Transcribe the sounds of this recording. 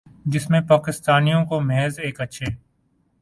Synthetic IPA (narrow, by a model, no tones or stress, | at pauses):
d͡ʒɪsmẽpaːkɪst̪aːnijõkomeːzeːkətːʃʰeː